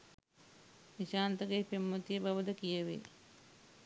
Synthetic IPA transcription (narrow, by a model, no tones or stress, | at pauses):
niʃaːnt̪əɡepemːot̪ijəbaʋəd̪əkijəʋḛ